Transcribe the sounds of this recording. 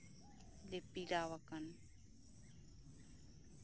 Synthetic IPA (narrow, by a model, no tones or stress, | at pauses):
lepiɾaːwakɐn